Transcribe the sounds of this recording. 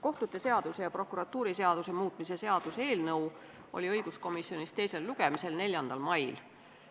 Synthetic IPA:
ko̞ht̪ut̪ːˑe̞se̞ɑd̪use̞jɑpro̞kːˑuɾɑt̪ːuːɾise̞ɑd̪̥use̞muːt̪ˑmise̞se̞ɑd̪̥use̞ːlnɤw | ʔo̞̰lʲiɤjɡ̥usko̞misio̞nist̪e̞jse̞lːuɡ̥e̞mise̞lnelʲjɑnd̪̥ɑlmɑjl

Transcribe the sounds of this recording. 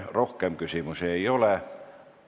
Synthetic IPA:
rohkeˑmkysimyseiole

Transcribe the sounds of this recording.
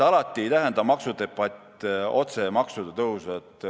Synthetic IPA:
ɑlɑt̪ʲːˑiejt̪æɦend̪ɑmɑksud̪e̞pːɑt̪ʲːˑ | o̞t̪se̞mɑksud̪ɑt̪ɤɦusɑt̪ˑ

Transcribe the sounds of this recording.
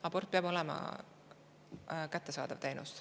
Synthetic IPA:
ɑbort̪̚peɑbo̞lɛmɑ̰ | kæt̪ːe̞sɑ̰ːd̪̥ɑvt̪e̞jnṵst̪

